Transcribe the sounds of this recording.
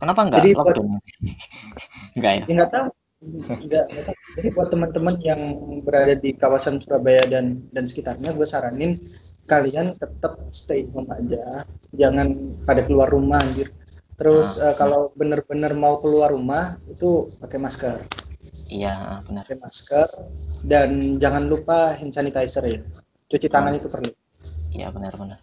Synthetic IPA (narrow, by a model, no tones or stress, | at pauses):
kənapaŋɡaadiluat | ŋɡajaŋɡat̪a | ŋɡaʔŋɡat̪ad͡ʒadibuat̪ːəmənt̪əmənjaŋbəɾadadikawasansuɾabajadandansə̥kit̪arɲabəsaɾanɪnkaliant̪ət̪əp̚sə̥t̪aiməmad͡ʒad͡ʒaŋanpadakəluarːumahd͡ʒɪrt̪əɾʊsəkalawbənərbənərmaukəluarumahit̪upakajmaskəria̰bənəkamaskərdand͡ʒaŋanlupaɦinsanit̪aisərja | t͡ʃut͡ʃit̪aŋanit̪upərlu | ija̰bənərbənər